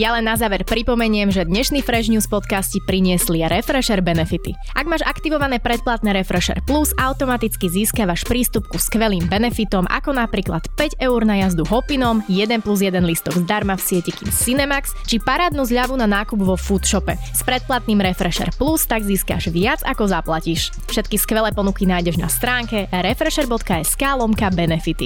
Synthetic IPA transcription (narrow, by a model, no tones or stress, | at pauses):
jalɛnːazaːʋɛɾpɾipɔmɛɲɪɛmʒɛd̪ɲɛʃnifɾɛʒɲuːspɔt̪kascipɾiɲɪɛsliɛɾɛfɾɛʃɛɾbɛnɛfit̪ḭ | ʔaɡmaːʒakt̪iʋɔʋanɛːpɾɛt̪̚plat̪nɛːɾɛfɾɛʃɛ̰ɾpluzaʊt̪ɔmat̪it͡skiziːskaʋaʃpɾiːst̪upkuskʋɛliːmbɛnɛfit̪ɔmʔa̰kɔnapɾiːklat̪pɛɟɛuɾnajazd̪uɦɔpinɔmjɛd̪ɛnpluzjɛd̪ɛnlist̪ɔɡzd̪aɾmafsɪɛcɛkḭːmsinɛmakst͡ʃipaɾaːd̪nuzʎaʋunanaːkubʋɔfut̪ʃɔpɛ | spɾɛt̪̚plat̪̚niːmɾɛfɾɛʃɛ̰ɾplust̪aɡziːska̰ʒʋɪad͡zakɔzaplaciʃ | fʃɛt̪kiskʋɛlɛːpɔnukinaːjɟɛʒna̰st̪ɾaːŋkɛɾɛfɾɛʃɛɾbɔt̪kaɛskaːlɔmkabɛnɛfit̪ḭ